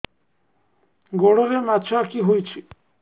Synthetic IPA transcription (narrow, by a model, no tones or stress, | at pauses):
ɡoɽoɾemat͡ɕʰoakiɦojt͡ɕʰi